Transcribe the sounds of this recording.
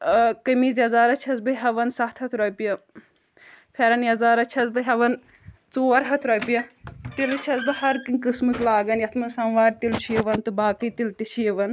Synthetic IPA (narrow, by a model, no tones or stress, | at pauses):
kɐmiːzjɐzaːɾɐt͡ʃʰɐzbɐɦɐʋɐnsɐht̪ʰɐt̪ʰɾɐpijɐ | pʰeɾɐnjɐzaːɾɐt͡ʃʰɐzbɨɦɐʋɐn | t͡soːɐɾɦɐt̪ʰɾɔpijɐt̪ilt͡ʃʰɐzbɨhɐɾkɨkɨsmɨklaːɡɐnjɐt̪ʰmɐnsɐnʋaːɾt̪ilt͡ʃʰijɐʋɐnt̪ɨbaːkɨt̪ilt̪it͡ʃʰijɐʋɐn